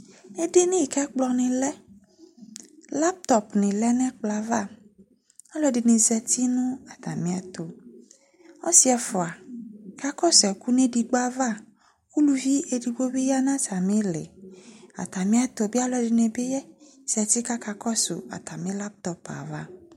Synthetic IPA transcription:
e˦de˦nĩ˦˨kɛ˦k͡plɔ˦nẽ˨lɛ˦ | la˦p̚t̪ɔ˨pnɪ̃˨lɛ˦nɛ̃˦k͡pla˨va˦ | a˦lɔ˦di˨nẽ˨zɛ˨t̪i˦nũ˦a˨t̪a̰˨mĩ˨˦a˨t̪o˨ | ɔ˦si˦ɛ˨fɔ˨a˨ka˦kɔ˦sɛ˨ku˦nẽ˦di˨ɡ͡ba˦va˦˨ | ku˦lu˦vi˦ʔe˨di˨bo˦be˦ja˦nã˦ta˨mẽ˦lḛ˨a̰˨t̪a˨mĩ˦a˦t̪o˨bi˦a˦lɔ˨˦di˨nẽ˨be˦jɛ˦ | z̥ɛ˨t̪i˦ka˦ka˨kɔ˦so̰˨a̰˨t̪a˨mẽ˦la˦p̚t̪ɔ˨pa̰˨va̰˦˨

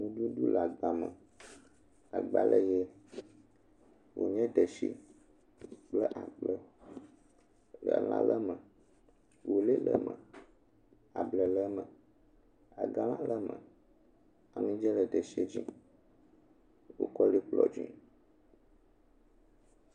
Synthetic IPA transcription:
nũ˨ɖu˦ɖu˦la˨ɡ͡ba˨mə˨ | a˨ɡ͡ba˨lʔə˦je˦ | wʔo̰˨ɲɛ̃˦ɖə˨ʃḭ˦ | k͡plə˦ʔa˨k͡plə˦ | lə˨lã˦lə˦mə˨ | wo˨le˦lə̰˦mə̃˨ | a˨blə˨lə˦mə̃˨ | a˨ɡa˦lã˦lə˦mə̰̃˨ | a˨mĩ˦d͡ʒɛ˦lə˨ɖ̪ə˨ʃi˦e˦d͡ʑĩ˦ | wo̰˦kɔ˦li˦k͡plɔ̰˨d͡ʒḭ̃˦

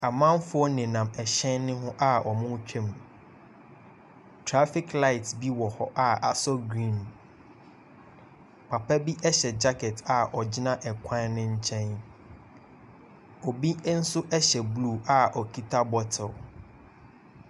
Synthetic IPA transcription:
a˨mã˦m˦fʊ˦ɔ˦nɪ̃˨nã˨mɛ˨ɕɛ̃˦nːɪ̃˦ɦʊ̃˦ʔa˦ɔ˨mʊ̃˦t͡ɕᶣʰɛ̃˦m˨ | tʰɾa˦fɪ˦kla˦ɪ˨tbi˦wɔ˨hɔ˦ʔa˨a̰˨sɔ˦ɡɾĩ˦˨n | pʰa˨pʰɛ˦bi˦ʔɛ˦ɕɛ˨d͡ʑa˦kʰɛ˨ta˨ɔ˨d͡ʑɪ˦nã˦ʔɛ˨kʷʰã˦nnʊ̃˦ɲ̩˦t͡ɕʰɛ̃˦n | ɔ˨bi˦n̩˦sʊ˦ʔɛ˦ɕɛ˨blu˦˨a˨ʔɔ˨kʰi˦tʰa˦bɔ˦tʰɔ˨l

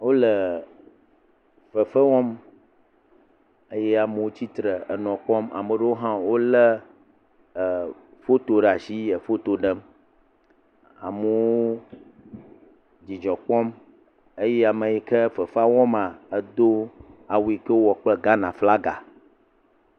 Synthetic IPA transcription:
wo˦lə˨ | fə˨fə˦wɔ˦m | ə˦jɛ˦a˨mə˨wo˦t͡ɕi˦t̪ɾə˨ə˨nɔ̃˨k͡pɔ˦ma̰˨mə˨ɖə˦wo˦ɦã˦wo˦lə˦˨ | fo˦t̪o˨ɖa˨si˦jə˨fo˦t̪o˨ɖə˦m | a̰˨mə˨wo˦ | d͡ʑi˨d͡ʒɔ˨k͡pɔ˦m | e˦jɛ˦a˨mə˨ji˨kə˦fə˨fa˦wɔ˦mã˨ə˦d̪o˦a˨wu˨i˨kə˦wɔ˨k͡plə˦ɡa˦nã˨fla˦ɡa̰˨

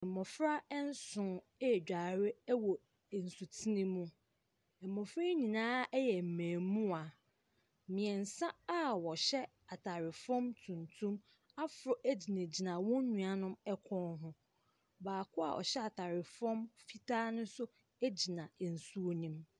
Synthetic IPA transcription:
ɛ˨mɔ˨fɾa˦ɛ˦n̩˦sʊ̃˨˦˨ | d͡ʑᶣa˨ɾɪ˦wɔ˨ | n̩˨su˨tʰi˦nĩ˦mũ˦ | ɛ˨mːɔ̃˨fɾa˦ɲĩ˨nãː˦ɛ˦jɛ˨m̩˨mæ̃ː˨mũ˦a˨ | mĩ˨ɛ˨n̩˨sã˦a˦wɔ˨ɕɛ˦ | a˨tʰa˨ɾɪ˨fɔ̃˦mtʰũ˨ntʰũ˦m | a˦fʊ˨ɾɔ˨ʔæ˦d͡ʑi˨nẽ˨d͡ʑi˨nã˨wɔ̃˦ɲũ˨a˨nʊ̃˦mɛ˦kʷʰɔ̃˦nɦʊ̃˦ | baː˨kʰʊ˦a̰˨ʔɔ̰˨ɕɛ˦a˨tʰa˨ɾɪ˨fɔ̃˦mfi˦tʰaː˦nʊ̃˦sʊ˦ | æ˦d͡ʑi˨nã˨n̩˨su˦o˦nĩ˦m

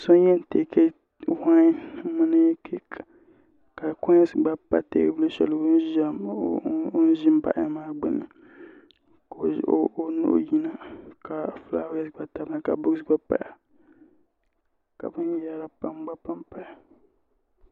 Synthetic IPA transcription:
sɔ˦n˦jɛ˦n˨te˨kʰe˦ | ha˦mɨ˦nɨ˦kʰ | ka˨kɔ̃˦ɲ˦sɡ͡ba˦pa̰˦tḛ˦bɨ˦lu˦ʃɛ̰˨lʊ˦n˦ʒa˦ | o˦n˦ʒɪ˦m˦ba̰˦ʔa˦maː˦ɡ͡bɨ˦nɨ˨ | ko˨˦o˦nʊ̰˦ʔji˦na˨ka˨fla̰˦wɛ˦sɡ͡ba˦ta˨bna˨ka˨bʊ˦ɡsɡ͡ba˦pa̰˨ja˨ | ka̰˨bɨ˦n˦ja˦ɾa˦pa˦mɡ͡ba˦pa˦mpa˨ja˨

